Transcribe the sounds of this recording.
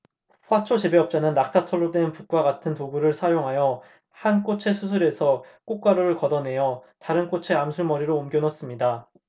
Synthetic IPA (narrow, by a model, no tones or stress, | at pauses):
ɸwat͡ɕʰot͡ɕebe̞ʌp̚t͡ɕ͈anɯnːak̚tʰatʰʌɭːodwe̞npuk͈̚waɡatʰɯntoɡuɾɯɭsʰajoŋɦajʌ | hank͈ot͡ɕʰe̞sʰusʰuɾe̞sʰʌk͈ok̚k͈aɾoɾɯɭkʌdʌne̞jʌtaɾɯnk͈ot͡ɕʰe̞amsʰuɭmʌɾiɾoːmɡjʌnʌs͈ɯmɲida